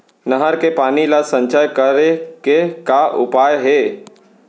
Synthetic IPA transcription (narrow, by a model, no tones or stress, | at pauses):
nəɦəɾkepaːnilasə̃ɲt͡ʃəjkəɾekekaʔʊ̰paːjɦeː